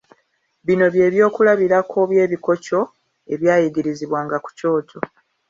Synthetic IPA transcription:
βino̞βje̞ːβjo̞ːkulaβiɾakʰo̞βje̞ːβiko̞co̞ | e̞βjaːjiɡiɾiziβwaːŋɡaku̥co̞ːcʰo̞

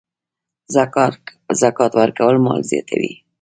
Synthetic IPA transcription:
zakɑt̪waɾkawəlmɑlzjɑ̰t̪ʰawi

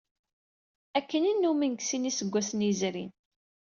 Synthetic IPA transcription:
ækːəninːumənɡsinisəɡʷːæsəniəzɾḭn

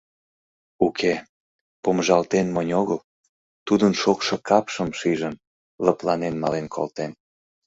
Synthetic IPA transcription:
ukʰe | pomʒɑlt̪enmənʲoɣəl | t̪ud̪ənʃokʃɤ̆kɑpʃəmʃiʒən | ləplɑnenmɑlenkʰo̰lt̪en

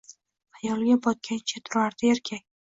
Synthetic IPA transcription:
ajɒlˠɡʲabɒt̪̚kʲant͡ʃʰat̪ʰʊɾaɾd̪̥ɪeɾkʲʰakʲ

